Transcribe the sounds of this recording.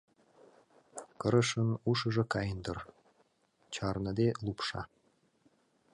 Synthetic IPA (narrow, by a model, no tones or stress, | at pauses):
kəɾə̆ʃənuʃə̆ʒĕkɑjənd̪ə̆r | t͡ɕɑrnɤ̆d̪elupʃɑ̰